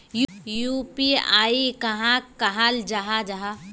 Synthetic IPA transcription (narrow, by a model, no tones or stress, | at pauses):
jjupia̰ːikɐɦãkɐɦald͡ʒaɦad͡ʒaɦa